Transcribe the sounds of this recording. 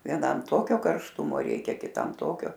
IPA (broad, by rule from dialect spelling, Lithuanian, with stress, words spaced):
ʋʲiɛˈnɐm ˈtoːkʲoː kɐrʃˈtʊmoː ˈrʲɛɪkʲɛ kʲɪˈtɐm ˈtoːkʲoː